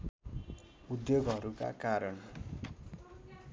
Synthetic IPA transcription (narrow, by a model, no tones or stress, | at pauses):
ud̪joɡʌɾuka̰kaɾʌn